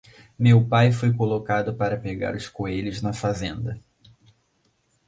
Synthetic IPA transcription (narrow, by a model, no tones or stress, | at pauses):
mewpajfojkolokad̪ʊpaɾɐpeɡa̰ɾʊskoeʎʊznɐfazẽnd̪ɐ